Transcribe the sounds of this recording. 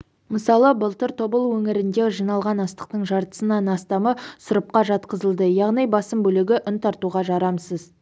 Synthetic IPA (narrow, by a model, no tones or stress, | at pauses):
məsɑlˠəbəlˠt̪əɾt̪ʰo̞bəlˠwɵŋɪɾɪnd̪e̞ʒijnɑlˠʁɑnɑst̪ə̥q̚t̪əɴʒɑɾt̪ə̥sənɑnɑst̪ɑməsʊɾəp̚qɑʒɑt̪qəzəlˠd̪əjɑʁnijbɑsəmbɵlɪɡʲɪʔʊnt̪ʰɑɾt̪uʁɑʒɑɾɑmsəz